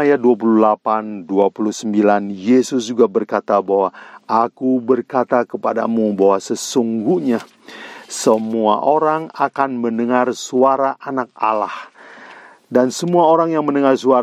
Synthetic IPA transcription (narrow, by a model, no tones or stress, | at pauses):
ajaduap̬uluhlapanduapuluhsəmbilanjesʊsd͡ʒuɡabərkat̪abawaʔakubərkat̪akəpada̰mubawasəsuŋɡuhɲa | səmua̰ʔoɾaŋakanmənəŋarsuaɾaʔanak̚a̰lah | dansəmuaoɾaŋjaŋmənəŋarsua